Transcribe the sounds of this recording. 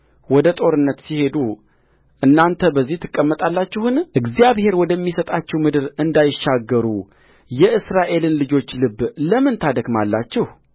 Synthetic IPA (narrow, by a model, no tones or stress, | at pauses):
wɔd̪ət̪ʼo̞ɾɨnːət̪sihe̞d̪u | ʔɨnːant̪ʰəbəzːiht̪ʰɨkʼːəmːət̪ʼalːat͡ʃːɛhɨnʔɨɡzijaβhe̞ɾwɔd̪əmːisət̪ʼat͡ʃːɛwmɨd̪ɨɾɨnd̪ajɪʃːaɡːəɾu | jɛʔɨsɾaʔe̞lɨnlɨd͡ʒo̞t͡ʃːlɨbːləmɨnt̪ʰad̪əɡmalːa̰t͡ʃːɪh